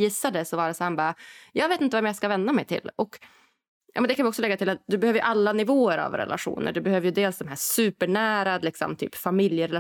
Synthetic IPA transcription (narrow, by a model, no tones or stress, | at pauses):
jɪsːad̪əsɔvɑːɾəsahæːɳbɑːɾajɑːɡveːt̪ɪnt̪əvɛmjaskavɛnd̪amɛjt̪ʰɪ̰lːɔk | jɑ̰ːmɛnd̪ɛkanvjɔksɔlɛɡːat̪ʰɪlat̪̚d̪ɵbɛhøːvəɾjɵʔalːanɪvoːəɾa̰vɾɛ̰la̰ɧṵːnə̰ɖɵbɛhøːvəɾjɵd̪eːlsd̪ɔmɦæːsʉ̟ːpəɳæːɾalɪksɔ̰mt̪ʰy̰ːpfamɪljəɾɛla